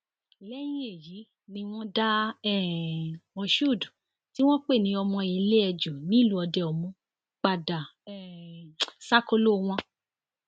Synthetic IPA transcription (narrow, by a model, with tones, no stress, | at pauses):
lɛ˦j̃ĩ˦e˦˨ji˨˦ | nĩ˧w̃ɔ̃˦da˦ɛ˦˨wɔ̃˧ʃu˦˨du˨ | ti˦w̃ɔ̃˦k͡pe˦˨nĩ˨˦ɔ˧mɔ̃˧i˧le˦ɛ˧d͡ʒu˨nĩ˦˨lu˦ɔ˧dɛ˧ɔ˧mũ˧ | k͡pa˨da˨ɛ˦˨ | sa˦ko˧lo˦˧w̃ɔ̃˧